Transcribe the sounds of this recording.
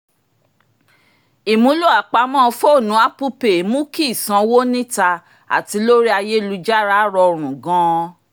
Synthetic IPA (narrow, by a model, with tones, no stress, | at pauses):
i˨mũ˨˦lu˦a˨k͡pa˨˧mɔ̃ː˦˧fo˦˨nũ˨˦a˦pu˦pe˨˦mũ˦ki˦˨sã˧˦wo˦nĩ˦ta˧ | a̰˨ti˨˧˦lo˦ɾi˦a˧je˦lu˧d͡ʒa˦ɾa˦ɾɔ˧˨ɾ̃ũ˨ɡɔ̃˦